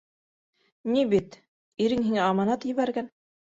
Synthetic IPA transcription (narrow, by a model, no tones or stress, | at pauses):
nibit̪ | iɾɘŋɦiŋæɑmɑnɑt̪jɘ̆βæɾɡæn